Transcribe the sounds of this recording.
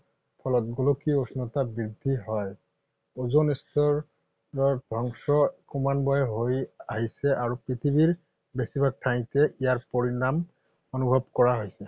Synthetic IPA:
pʰɔlɔtɡolokiosnɔtabɹid̪ʱːiɦɔj | ozonistɔɹ | ɹɔbʱɔŋsɔkɔmanbɔjɛɦojaɦisɛʔaɹupɹit̪ʰibiɹ | besibʱak̚tʰaj̃tɛʔijaɹpoɹinam | onubʱɔbkɔɹaɦojsɛ

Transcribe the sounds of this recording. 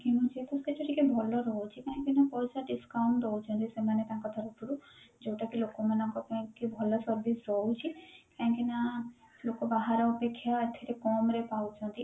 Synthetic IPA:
kimũt͡ʃʰiet̪ɔsket͡ʃʰoʈʰikebʱɔlɔɾɔɦot͡ʃʰikãɦĩkinapɔjsaɖiskawɳʈd̪ɔwt͡ʃʰɔ̃nt̪isemanet̪ãkɔt̪ʰaɾut̪uɾud͡ʒowʈakilokomanãkɔpkibʱɔlɔsɔɾbisɾɔɦot͡ʃʰikãɦĩkina | lokobaɦaɾaupekʰːjaet̪ʰːeɾekɔmɾepawt͡ʃʰɔ̃nt̪i

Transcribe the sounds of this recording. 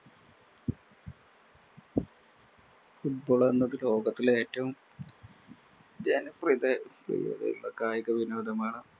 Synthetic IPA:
fuʈ̚boːɭenːɐðɨlo̞ːɡɐt̪ːile̞ːtːɐʋum | d͡ʑaːnprid̪eprḭjo̰ːðɐ̰jṵɭːɐ̰kaːjɐkɐʋinoːd̪ɐmaːɳɨ

